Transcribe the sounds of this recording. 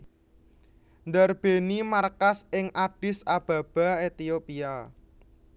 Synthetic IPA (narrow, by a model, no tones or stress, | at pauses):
nd̪arb̥e̤nimarkasɪŋʔaɖ̥ɪ̤sab̥ä̤b̥a̤et̪iopia